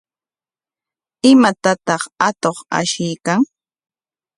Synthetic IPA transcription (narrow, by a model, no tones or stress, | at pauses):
ɪmat̪at̪ɑχat̪oχa̰ʃɪjkaŋ